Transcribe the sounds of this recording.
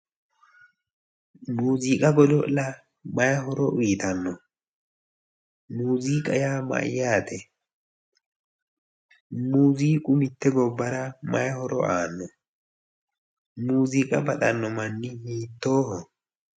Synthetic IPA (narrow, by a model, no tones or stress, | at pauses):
muːziːkʼɐɡɔdɔʔlɐ | mɐjɐɦɔɾɔwiːt̪ɐnːɔ | muːziːkʼɐjaːmɐ̰ʔjaːt̪ɛ | muːziːkʼʊmɪt̪ːɛɡɔbːɐɾɐmɐjhɔɾɔ̰ʔaːnːɔ | muːziːkʼɐbɐt̪ʼɐnːɔmɐnːɪhiːt̪ːoːhɔ